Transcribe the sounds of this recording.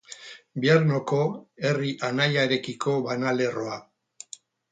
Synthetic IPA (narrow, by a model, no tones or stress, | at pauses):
biaɾno̞ko̞e̞riʔanajaɾe̞kikʰo̞βanale̞ro̞a